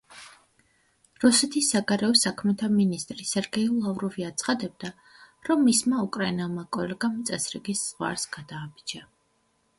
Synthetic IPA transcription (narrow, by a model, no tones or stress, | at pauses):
ɾusɛt̪ʰisːaɡaɾɛɔsakʰmɛt̪ʰaminist̪ʼɾisɛɾɡɛilˠavɾɔviat̪sʰχad̪ɛb̚d̪a | ɾɔmːismaukʼɾainɛlˠmakʼɔlɛɡamt̪sʼɛsɾiɡisz̥ʁwa̰ɾsɡ̥ad̪aːbid͡ʒa